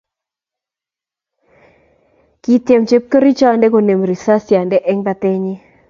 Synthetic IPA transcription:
ki˦tjɛ˨mt͡ʃe˦p̚ko˦ɾi˦t͡ʃɔ˦a˨ndɛ˦ko˨ne˨mɾi˨sa˦sja˨ndɛ˦ʔɛ˦ŋba˦t̪ɪ˦ɲɪ˦

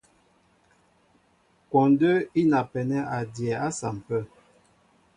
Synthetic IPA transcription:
kɔ˨ndə˦i˦na˨pɛ˨nɛ˦a˨djɛ˨a˦sa˨m̩˨pə˦˨

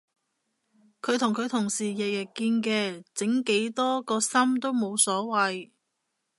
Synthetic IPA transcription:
kʰɵ˨˧ɥt̪ʰʊ˨˩ŋkʰɵ˨˧ɥt̪ʰʊ˨˩ŋsiː˨˩jɛ˨jɐ˨˩kiː˧nkɛː˧t͡sɪ˨˥ŋke˨˥jt̪ɔː˥kɔː˧sɐ˥mt̪o˥wmo˨˧wsɔː˨˥wɐ˨j

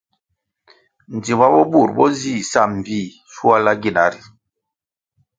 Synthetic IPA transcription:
n̩˨di˨ba˦bɔ˦bu˦˨ɾbɔ˦zi˦˨sa˦˨m̩˨biː˦˨ | su˦a˦la˦ɡi˦˨na˨˦ɾi˨

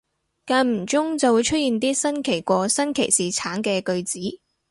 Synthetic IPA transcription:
kaː˧nm̩˨˩t͡sʊ˥ŋt͡sɐ˨wuː˨˧jt͡ʃʰɵ˥t̚jiː˨nt̪iː˥sɐ˥nkʰe˨˩jkʷɔː˧sɐ˥nkʰe˨˩jsiː˨˩t͡sʰaː˨˥nkɛː˧kɵ˧ɥt͡siː˨˥

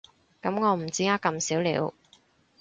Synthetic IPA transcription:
kɐ˨˥mŋɔː˨˧m̩˨˩t͡siː˨˥ŋaː˥kːɐ˧msiː˨˥wlḭː˨˧˥w

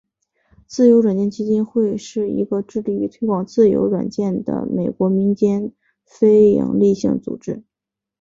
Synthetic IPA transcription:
t͡sɹ̩˥˩jo˧˥ʊɻwa˨˩nt͡ɕjɛ˥˩nt͡ɕʰi˥t͡ɕi˥nxwe˥˧ɪʂɻ̩˥˩ḭ˧˥ɡə˧ʈ͡ʂɻ̩˥˧li˥˩y˧˥t̪ʰwe˥ɪkwɑ˨˩ŋt͡sɹ̩˥˩jo̰˧˥ʊɻwa̰˨˩nt͡ɕjɛ˥˩nd̪ə̰˩me˨˩ɪkwɔ˧˥mi˧˥nt͡ɕjɛ˥n | fe˥ɪjɑ̰˧˩ŋli˥˧ɕḭ˥˩ŋt͡sṵ˨˩ʈ͡ʂɻ̩˥

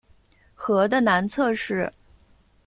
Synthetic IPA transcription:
xɤ˧˥d̪ə˧na˧˥nt͡sʰɤ˥˧ʂɻ̩˥˩

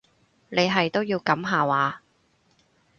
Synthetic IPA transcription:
ne˨˧jɦɐ˨jt̪o˥wjiː˧wkɐ˨˥mɦaː˨waː˨˧

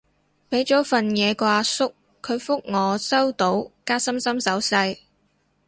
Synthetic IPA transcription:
pe˨˥jt͡sɔː˨˥fɐ˨njɛː˨˧kʷaː˧sʊ˥kʰː | ɵ˨˧ɥfʊ˥k̚ŋɔː˨˧sɐ˥wt̪o˨˥wkaː˥sɐ˥msɐ˥msɐ˨˥wsɐ˧j

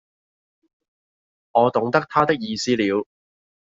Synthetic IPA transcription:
ŋɔː˨˧t̪ʊ˨˥ŋt̪ɐ˥k̚t̪ʰaː˥t̪ɪ˥k̚jiː˧siː˥liː˨˧w

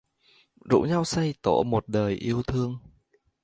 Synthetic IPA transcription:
zṵ˧˥ɲa˧wsa˧jt̪o˧˩mo˨˩t̚ɗəː˨˩jʔi˧əwt̪ʰɨ˧əŋ

